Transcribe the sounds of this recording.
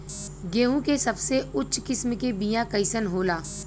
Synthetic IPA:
ɡeːɦũkesɐbseʊtːt͡ʃʰkɪsmkebijãkɐɪsənɦoːlaː

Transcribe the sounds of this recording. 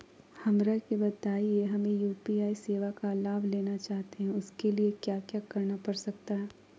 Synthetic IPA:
hɐmɾakibɐt̪aːieɦɐmẽjuːpiaːiseːʋakalaːbleːnat͡ʃaːɦt̪eɦɛ̃ʊskeliekjaːkjaːkɐɾnapɐɾsɐk̚t̪aɦɛː

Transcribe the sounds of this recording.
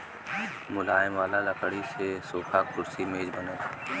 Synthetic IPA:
mʊlaːɪmʋaːlaləkəɽisesoːkʰaːkʰʊɾsimeːd͡ʒbənə

